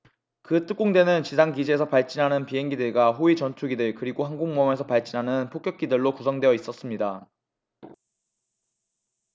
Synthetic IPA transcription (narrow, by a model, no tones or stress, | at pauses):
kɯt͈ɯk͈oŋdwe̞nɯnt͡ɕisʰaŋɡid͡ʑiesʰʌpaɭt͡ɕ͈inɦanɯnpiɦe̞ŋɡidɯɭɡaɦoit͡ɕʌntʰuɡidɯɭkɯɾiɡohaŋɡoŋmʌme̞sʰʌpaɭt͡ɕ͈inɦanɯnpʰok͈jʌk͈̚idɯɭːokusʰʌŋdweʌis͈ʌs͈ɯmɲida